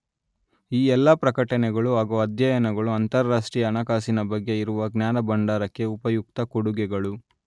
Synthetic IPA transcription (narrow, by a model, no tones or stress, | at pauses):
iːɛlːɐpɾɐkɐʈɐnɛɡɐɭuɦaːɡuɐd̪jɐjɐnɐɡɐɭuɐnt̪ɐɾːaːʂʈɾiːjɐːnɐkaːsinɐbɐɡːe̞iɾuʋɐɡnjaːnɐbɐɳɖaːɾɐkːe̞upɐjuk̚t̪ɐkoɽuɡɛɡɐɭu